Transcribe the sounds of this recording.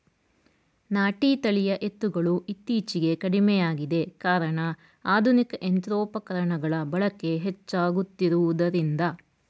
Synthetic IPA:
naːʈiːt̪ɐɭijɐʔe̞t̪ːuɡɐɭuʔit̪ːiːt͡ʃiɡe̞kɐɽimɛjaːɡid̪e̞kaːɾɐɳɐ | aːd̪ʱunikɐʔent̪ɾɔːpɐkɐɾɐɳɐɡɐɭɐbɐɭɐkːe̞ɦet͡ʃːaːɡut̪ːiɾuʋud̪ɐɾind̪ɐ

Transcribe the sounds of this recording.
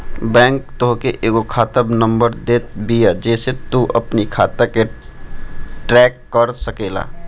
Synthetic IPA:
bɛ̃ːŋk̚t̪oɦkeʔeːɡokʰaːt̪əbnəmbəɾd̪et̪̚bijad͡ʒɛːset̪uʔəpnikʰa̰ːt̪əke | ʈɾɛkːəɾsəkela̰

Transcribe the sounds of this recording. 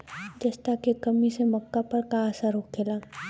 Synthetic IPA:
d͡ʒest̪akekɐmisemɐkːapɐɾkaːsaɾoːk̚ɡeːlaː

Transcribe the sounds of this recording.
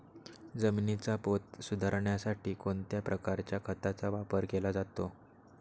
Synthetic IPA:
d͡zəminit͡sapot̪̚sud̪ʱaɾɳjasaʈiːkont̪japɾʔəkaɾt͡ɕjakʰət̪at͡saʋapəɾkelad͡zat̪o

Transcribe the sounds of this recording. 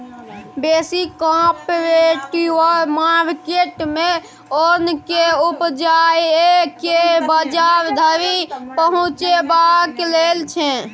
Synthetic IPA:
besikːãpɾeʈiɔɾmaɾkeʈme | onkeupd͡ʒajekebəd͡ʒaɾd̪ʱəɾipəɦũt͡ʃebaklelt͡ʃʰɛ̃

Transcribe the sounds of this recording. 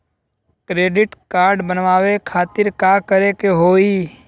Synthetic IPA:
kɾeːɖɪʈkaːɾɖbənʋaːʋekʰaːt̪ɪɾkaːkəɾekeɦoːiː

